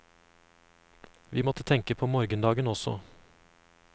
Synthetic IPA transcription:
ʋiːmɔt̪ət̪ʰɛŋkəpʰoːmɔɾɡənd̪ɑːɡənɔsɔ̰

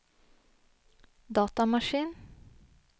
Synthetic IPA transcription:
d̪ɑːt̪ɑmɑʃiːn

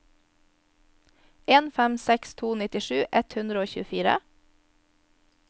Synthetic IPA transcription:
eːnfɛmsɛkst̪ʰuːnɪt̪ɪʃʉːʔɛt̪hʉnd̪ɾəoːçʉːəfiːɾə̰

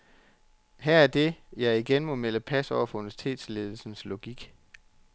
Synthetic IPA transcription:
ɦæɐ̰æɐd̥e̝jɑ̈ɪiɡ̥enmɔ̽meləpʰæsɒʊ̰ɐfɔ̽unʋæɐsi̥t͡sʰe̝̰ːd̥sle̝ːð̞ˠl̩sn̩slo̝ɡ̥iɡ̥

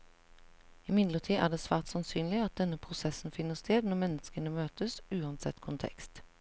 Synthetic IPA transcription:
ɪmɪd̪ləʁt̪ʰiːʔæ̰ːd̪eːsʋæːʁt̪sɑnsyːnlɪɑt̪̚d̪ɛnəpʰʁʊsɛsn̩fɪnːəst̪ʰeːd̪nɔmɛnːəskənəmøːt̪əsʉːɑnsɛ̰t̪kʰʊnt̪ʰɛ̰kst̪

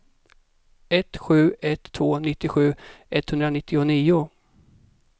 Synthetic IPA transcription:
ɛt̪ɧʉ̟ːɛt̪ʰːvoːnɪt̪ːɪɧʉ̟ːɛt̪hɵnd̪ɾanɪt̪ːɪʊniːʊ

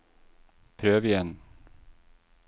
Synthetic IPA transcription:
pʰɾøːvɪjɛn

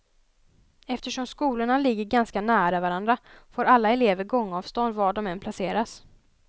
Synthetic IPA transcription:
ɛft̪əʂɔmskuːlʊɳalɪɡːəɾɡanskanæːɾavaɾand̪ɾafoːɾalːaɛleːvəɾɡɔŋːɑːvst̪ɔnd̪vɑːɖɔmɛnpʰlaseːɾas

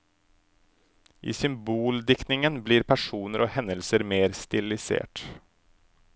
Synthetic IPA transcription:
ʔḭːsʏmbuːld̪ɪkt̪nɪŋənbliːɾpʰæʂuːnəɾʔɔhɛnəlsəɾmeːɾst̪ɪlɪsḛːʈ

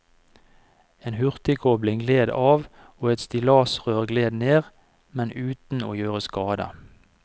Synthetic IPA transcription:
eːnhʉʁt̪ɪkʰɔblɪŋɡleːd̪ɑːʋ | oːɛt̪st̪ɪlɑːsʁøːʁɡleːd̪neːʁ | mɛnʔʉːt̪n̩oːjøːʁəskɑːd̪ə̰

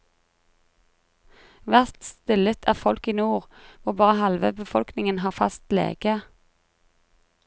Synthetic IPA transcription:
ʋæʁt̪st̪ɪlət̪ʰæ̰ːʁfɔlkiːnuːʁʋʊʁbɑːʁəhɑlʋəbəfɔlknɪŋənɦɑːfɑ̰st̪lḛːɡ̥ə

